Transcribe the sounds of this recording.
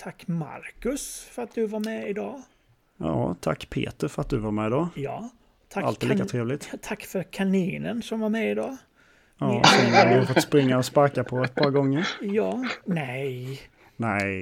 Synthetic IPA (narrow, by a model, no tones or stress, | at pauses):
t̪ʰakːma̰ɾkɵsfœɾat̪̚d̪ɵvaɾmɛɪd̪ɑː | jɑ̰ːt̪ʰa̰kːpʰḛːt̪əɾfœɾat̪̚d̪ɵvaɾmɛːɪd̪ɑːjɑː | t̪ʰaalt̪ɛliːkaɾeːvlɪt̪t̪ʰakːfœɾkʰaniːnənsɔmvaɾmɛɪd̪ɑː | jɑsɛad̪ɪhafɔt̪ːspɾɪŋːaɔspaɾkapʰɔɛt̪̚pʰɑːɾɡɔŋːəɾjɑːnɛj | nɛɪ